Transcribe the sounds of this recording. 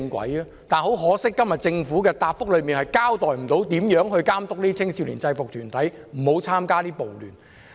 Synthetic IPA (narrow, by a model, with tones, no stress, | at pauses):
ŋkʷwɐ̰˨˥jɐ˧ | t̪aː˨nho˨˥wɦɔː˨˥sɪ˥kːɐ˥mjɐ˨t̚t͡sɪ˧ŋfuː˨˥kɛː˧t̪aː˨p̚fʊ˥k̚lɵ˨˧ɥmiː˨nɦɐ˨jkaː˥wt̪ɔː˨jm̩˨˩t̪o˨˥wt̪iː˨˥mjœː˨˥ŋɦɵ˧ɥkaː˥mt̪ʊ˥k̚liː˥t͡sʰɪ˥ŋsi˧wlḭː˨˩nt͡sɐ˧jfʊ˨k̚t̪ʰyː˨˩nt̪ʰɐ˨˥jm̩˨˩ho˨˧˥wt͡sʰaː˥mkaː˥t̪iː˥po˨wlyː˨n